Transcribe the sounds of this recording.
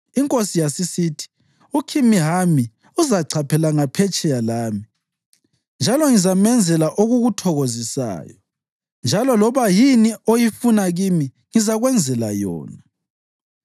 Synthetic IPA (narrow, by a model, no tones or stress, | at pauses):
iŋkʼosijasisitʰi̥ | ukʰimiɦami | uzaǀʰapʰɛlaŋapʰɛt͡ʃʼɛjalaːmi | nd͡ʒʱalɔŋizamɛnd͡zʱɛlaʔoɣuɣutʰɔɣozisa̰ːjɔ | nd͡ʒʱalɔlɔβajiniojifunaɣimi | ŋizaɣwɛnd͡zʱɛla̰jɔ̰ːna